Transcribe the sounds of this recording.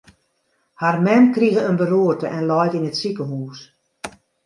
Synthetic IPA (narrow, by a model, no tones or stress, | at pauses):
harmɛmkriɣəənbəruːərtəʔɛnlɔjkinətsikəɦuːs